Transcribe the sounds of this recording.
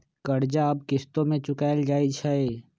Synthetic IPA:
kɐɽd͡ʒaɐb̚kɪst̪õmẽt͡ʃʊkaːɪld͡ʒaːit͡ʃʰae

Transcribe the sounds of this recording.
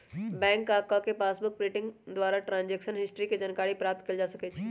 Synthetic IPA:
bɛ̃ːŋkaːkakepaːsbʊk̚pɾɪːʈɪ̃ŋɡd̪waːɾaʈɾãːnd͡ʒeːkʃənɦɪsʈɾiked͡ʒənkaːɽipɾaːp̚t̪̚kɐld͡ʒaːsɐket͡ʃʰː

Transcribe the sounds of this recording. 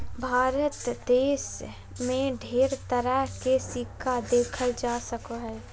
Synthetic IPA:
bʱaːɾət̪d̪eːs | mẽɖʱeːɾt̪əɾəɦkesikʰːad̪eːkʰəld͡ʒaːsəkoɦɛː

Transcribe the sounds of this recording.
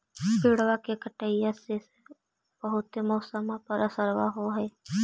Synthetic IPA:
piːɽwakekəʈəijasese | b̥əɦʊt̪emɔːsəmãpəɾəsəɾwa̰ɦoɦɛː

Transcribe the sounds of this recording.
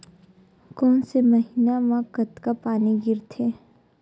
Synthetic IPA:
kɔːnseməɦɪnamãkət̪kapaːniɡɪɾt̪ʰe

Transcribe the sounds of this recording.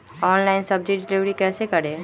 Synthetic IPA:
ɔːnlaɪnsɐb̚d͡ʒiɖɪliʋɾikɛːsekɐɽeː

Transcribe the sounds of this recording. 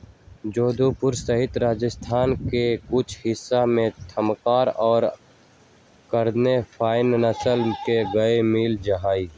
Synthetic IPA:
d͡ʒoːd̪ʱupʊɾsəɦɪt̪ɾaːd͡ʒəst̪ʰaːnkekʊt͡ʃʰhɪsːamẽt̪ʰəmkaːɾɔːɾ | kəɾd̪nepʰaːɪnnəsəlkeɡəemiːld͡ʒəɦaːiː

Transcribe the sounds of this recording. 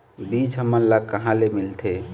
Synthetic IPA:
bit͡ʃɦəmːənləkəɦãlemilt̪ʰe

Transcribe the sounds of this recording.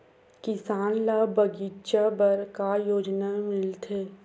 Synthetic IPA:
kɪsaːnlabɐɡiːtʃabɐɾkajoːd͡ʒnamɪlt̪ʰeː

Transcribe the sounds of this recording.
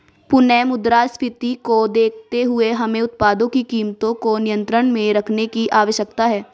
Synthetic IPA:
pʊnɛmʊd̪ɾaːspɪt̪ikod̪eːkʰt̪eɦʊeɦɐmẽʊt̪̚paːd̪õkikiːmt̪õkonɪjə̃nt̪ɾəɽ̃mẽɾɐkʰnekiʔaːʋəʃjəkt̪aɦɛː

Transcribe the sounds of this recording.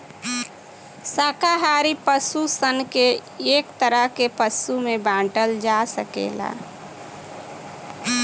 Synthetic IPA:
saːkaɦaɾipəsusənkeeːkt̪əɾəɦkepəsumebãːɳʈəld͡ʒasəkḛːla̰

